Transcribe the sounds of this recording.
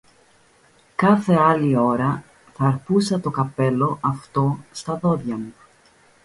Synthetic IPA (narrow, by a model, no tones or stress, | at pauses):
kɐθe̞ɐlio̞ɾɐ | θɐɾpusɐt̪o̞kɐpe̞lo̞ʔɐft̪o̞st̪ɐðo̞ðʝɐmu